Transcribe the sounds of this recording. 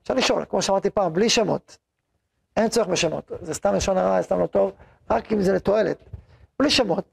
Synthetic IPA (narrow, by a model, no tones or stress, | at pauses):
fʃa̰ʁliʃo̞̰lkmoʃeamaʁt̪ipaːmbliʃemo̞̰t̪ | ent͡soeχbeʃemo̞̰t̪zest̪amleʃonaʁast̪amlot̪o̞v | ʁakimzelet̪o̞e̞let̪ | b̥liʃemo̞t̚